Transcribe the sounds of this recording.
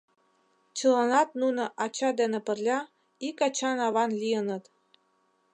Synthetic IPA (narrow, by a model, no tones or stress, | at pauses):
t͡ɕɤ̆lɑnɑt̪̚nunɤ̆ʔɑt͡ɕɑd̪enĕpə̆rlʲɑ | ikɑt͡ɕɑnɑβɑnlʲijənɤ̆t̪